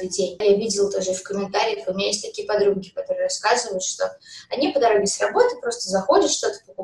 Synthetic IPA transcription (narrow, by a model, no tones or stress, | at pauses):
ɨdʲenʲjavʲidʲɪlˠt̪oʐɨfkəmʲɪnt̪aɾʲɪjəxʊmʲɪnʲajes̬ʲtʲt̪ɐkʲijəpɐd̪ɾuɡʲɪkɐt̪o̞ɾɨəɾɐskazɨvəjʊt̪ʂt̪o̞ɐnʲipəd̪ɐɾo̞ɡʲɪsʲrɐbo̞t̪ɨpɾo̞st̪əzɐxo̞dʲɪt̪ʂt̪o̞t̪ə̥pəkʊ